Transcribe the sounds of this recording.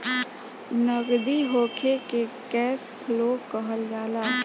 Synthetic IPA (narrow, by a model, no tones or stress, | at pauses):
nəɡd̪iɦoːkʰekekɛːspʰəloːkəɦəlɡaːlaː